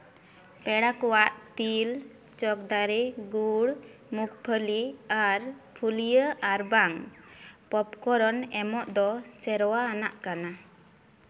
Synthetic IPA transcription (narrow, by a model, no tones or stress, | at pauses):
pɛɽakɔwaʔt̪il | t͡ʃɔk̚d̪aɾɛɡuɽmukpʰəliaɾpʰulijəaɾbaŋ | pɔpkɔɾɔnɛmɔʔd̪ɔsɛɾɔwaːnaʔkana